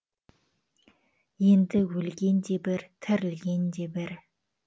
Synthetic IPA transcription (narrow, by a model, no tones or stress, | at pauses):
je̞nd̪ɪwɵlɡʲe̞nd̪e̞bɪɾt̪ʰɪɾɪlɡʲe̞nd̪e̞bɪɾ